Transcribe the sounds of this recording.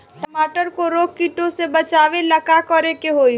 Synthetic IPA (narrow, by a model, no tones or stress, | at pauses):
ʈəmaːʈəɾkoɾoːkkːiʈõsebɐt͡ʃaːʋelɐkakɔɾekeɦoːi